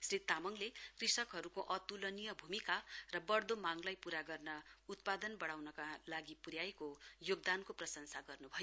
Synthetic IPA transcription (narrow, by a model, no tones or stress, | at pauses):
srit̪ːamʌŋlekrisʌkɦʌɾukoʔʌt̪ulʌnijʌbʱumikarʌbʌrd̪omaŋlajpuɾaɡʌrnʌut̪̚pad̪ʌnbʌɽawnʌkalaɡipuɾjaekojoɡ̚d̪ankoprʌsʌŋsaɡʌrnubʱʌj